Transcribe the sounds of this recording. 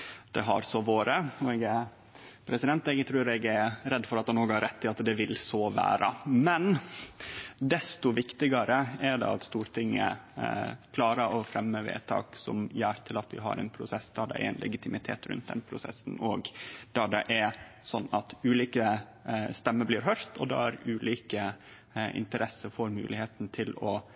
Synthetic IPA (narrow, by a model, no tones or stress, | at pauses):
d̪̥ɛɦɑ̰ɾsɔʋoːɾəɔɛɡɛ | pʰɾɛsɪd̪ɛnt̪ɛɡt̪ʰɾʉːɾɛɡɛɾɾɛd̪fɔɾɑt̪hɑnoːɡhɑɾɛt̪ːɪɑt̪d̪ɛʋɪlsɔʋæ̰ːɾʔə̰mɛn | d̪ɛst̪ʊʋɪkt̪ɪɡɑɾəɛɖ̪ɛ̰ɑt̪st̪uːɾt̪ʰɪŋːə̰ | kʰlɑːɾəɾɔfɾɛmːəʋḛːt̪ʰɑ̰ːksɔ̰mjæːɾt̪ʰɪlɑt̪ʋɪɦɑ̰ɾɛ̰ɪnpʰɾʊsɛsːd̪ɑɖ̪ɛ̰ɛ̰ɛ̰nlʔɛ̰ɡɪt̪ʰɪmɪt̪ʰḛːt̪ɾʉ̰nt̪̚d̪ɛ̰npʰɾʊsɛ̰sːn̩ɔɡd̪̥ɑɖ̪ɛʔɛɾ | sɔnːɑt̪ʉːliːkə | st̪ɛmːəbliːɾɦœɾt̪ʰɔd̪ɑ̰æɾʉːliːkə | ɪ̰nt̪əɾʔɛsːəɾfoɾmʉ̰ːlɪheːt̪n̩t̪ʰɪlɔ